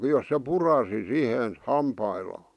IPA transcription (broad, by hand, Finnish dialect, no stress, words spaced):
jos se purɑsi sihen hɑmpɑilːɑː